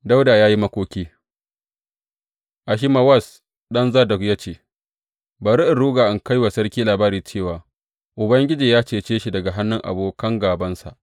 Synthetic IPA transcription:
da˦wda˨jaː˦ji˦mɐ˦kʷoː˦kʲiː˦ | ʔa˨ʃ̬i˦ma˨wɐ˦˨s | ɗɐ˦nzaː˦dɐ˨kja˦t͡ʃeː˦˨ | ba˨ɾi˦ʔɪ˨ɽuː˦ɡaː˨ʔɪ˨ŋka˦jwaː˨sɐ˦ɾkʲiː˦laː˨baː˦ɾiː˨t͡ʃeː˦˨waː˨ | ʔʊ˨bɐ˦ŋɡʲɪ˦d͡ʒiː˨jaː˦t͡ʃeː˨t͡ʃeː˦ʃi˨dɐ˨ɡa˨ɦa˦nːɪ˦ŋʔa̰˨boː˦kɐ˦ŋɡaː˨bɐ˦nsa̰˨ʔ

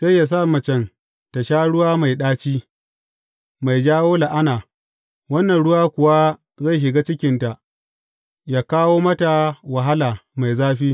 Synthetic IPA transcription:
sa˦jːa˨s̬a˦˨mɐ˨t͡ʃɛ˦n | ta˨ʃaː˦ɽʊ˦waː˦ma˨jɗaː˦t͡ʃiː˦ | ma˨jd͡ʒaː˦woː˦la˨ʔa˦naː˨ | wɐ˦nːɐ˨nɽʊ˦waː˦kʷʊ˨wa˦ | za˦˨jʃ̬ɪ˨ɡaː˦t͡ʃɪ˦kʲɪ˨nta˨ʔ | jaː˦kaː˦woː˦mɐ˦ta˨wa˨ɦa˦laː˨ma˨jzaː˦ɸiː˦

